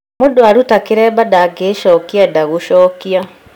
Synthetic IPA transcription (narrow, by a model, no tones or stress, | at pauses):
modoaɾutakeɾɛːbadaɡeʃɔkiadaɣoɕɔːkia